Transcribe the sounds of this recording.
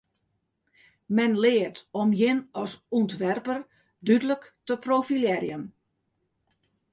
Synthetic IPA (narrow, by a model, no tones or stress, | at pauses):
mɛnlɪːərtɔmjɪnɔsuntʋɛrpər | dydələktəprofiljɛɾjən